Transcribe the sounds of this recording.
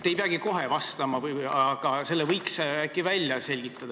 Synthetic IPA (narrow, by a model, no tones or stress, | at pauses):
t̪ːejpeɑɡ̥iko̞ɦe̞vɑst̪ɑmɑvɯjɑɡ̥ɑse̞lːevɤjksækːˑivælʲjɑse̞lʲɡ̥it̪ːˑɑd̪ɑ